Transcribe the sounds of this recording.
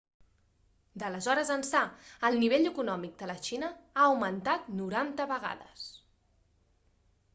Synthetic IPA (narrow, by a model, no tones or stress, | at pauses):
d̪ələzɔɾəzənsaəlˠniβ̞eʎəkunɔmik̚d̪ələʃinəaəwmənt̪at̪nuɾant̪əβəɣa̰ðə̰s